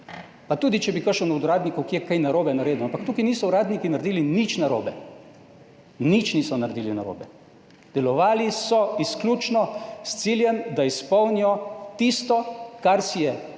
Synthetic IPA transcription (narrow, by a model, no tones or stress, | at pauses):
pat̪uːd̪it͡ʃɛbikəʃɔnɔwd̪ɾaːd̪nikɔwkijɛkajnaɾoːbɛnaɾeːd̪uampakt̪uːkiniːsɔuɾaːd̪nikinaɾd̪iːlinit͡ʃnaɾo̰ːbɛ | nit͡ʃniːsɔnaɾd̪iːlinaɾo̰ːbɛ | d̪ɛlɔʋaːlisɔisklʲjuːt͡ʃnɔst̪siːljɛmd̪aispɔwnijɔt̪ist̪ɔkaɾsijɛ